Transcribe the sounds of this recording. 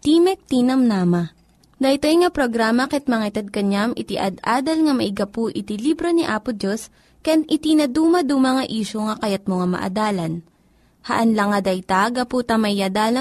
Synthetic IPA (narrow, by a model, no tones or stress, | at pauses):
t̪iːmɛk̚t̪iːnɐmnaːmɐ | d̪ɐjt̪ojŋɐpɾoɡɾaːmɐkɛt̪̚mɐŋaɪt̪ɛd̪̚kɐɲamʔɪt̪ɪʔɐd̪ʔaːd̪ɐlŋɐmɐʔɪɡɐpuʔɪt̪iliːbɾoniʔaːpʊt̪̚d͡ʒos | kjanʔɪt̪inɐd̪uːmɐd̪umɐŋɐʔiːʃoŋɐkɐjat̪̚moŋamɐ̰ʔɐ̰d̪aːlɐn | hɐʔɐnlɐŋɐd̪ɐjt̪aɡɐput̪ɐmɐjɐd̪aːlɐ